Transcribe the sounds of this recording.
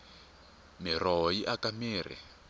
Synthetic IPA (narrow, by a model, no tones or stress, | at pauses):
mirɔɦjiʔakamiːrḭ